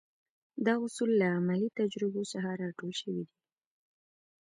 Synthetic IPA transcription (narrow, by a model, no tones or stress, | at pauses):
d̪ɑʊsulːaamalit̪ad͡ʒɾɪbosaɦaɾɑʈolʃəwid̪i